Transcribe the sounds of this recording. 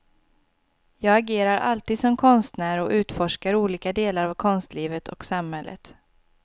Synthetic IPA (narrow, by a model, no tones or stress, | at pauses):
jɑːɡaɡeːɾaɾʔa̰lt̪iːd̪sɔmkʰɔnst̪næːɾɔʔʉ̟ːt̪fɔʂkaɾuːliːkad̪eːlaɾavkʰɔnst̪liːvət̪ʰɔ̰ksamhɛlːʔə̰t̪